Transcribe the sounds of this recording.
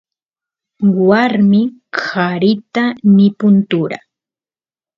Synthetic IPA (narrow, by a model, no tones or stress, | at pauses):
waɾmɪkaɾɪt̪anɪpʊnt̪ʊɾa̰